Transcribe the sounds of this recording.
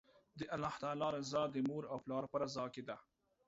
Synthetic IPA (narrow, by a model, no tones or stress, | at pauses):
d̪əʔalɑht̪alɑɾazɑd̪əmuɾawplɑːɾpəɾazɑːked̪a